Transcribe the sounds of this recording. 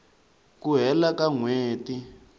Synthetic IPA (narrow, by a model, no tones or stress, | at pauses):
kuɦɛlakaŋweːti